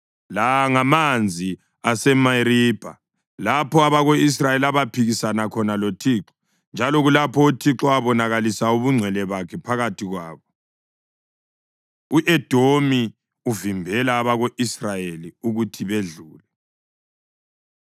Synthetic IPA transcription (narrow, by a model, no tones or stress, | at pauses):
laŋamand͡zʱi | asɛmaiɾib̥ʱa | lapʰɔaβaɣois̬rajelaβapʰiɣisanakʰɔnalotʰiːǁɔ̥ | nd͡ʒʱalɔɣulapʰɔutʰiǁɔaβɔnaɣalisauβuŋ͡ǀʱwɛlɛβakʰɛpʰaɣatʰiɣwaːβɔ | uʔɛd̥ʱomi | uvimbʱɛlaːβaɣoʔisrajeliuɣutʰiβeɮuːlɛ